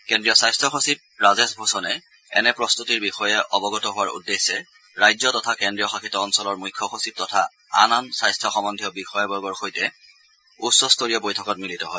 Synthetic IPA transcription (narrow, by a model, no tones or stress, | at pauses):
kɛndɹijɔsajstʰɹɔxosib̚ɹazesbʱosɔnɛ | ɛ̰nɛpɹɔstutiɹbixɔjɛʔɔbɔɡɔtɔɦʊwaɹṵdːesːɛ | ɹajzɔtɔtʰakɛndɹijɔxaxʰitɔɔnsɔlɔɹmujkʰːɔxosip̚tɔtʰa̰ | a̰nansajstʰɔxɔmɔndʱiɔbixɔjɔbɔɡɔɹxojtɛ | usɔstoɹiɔbojtʰɔkɔtmilitɔɦɔj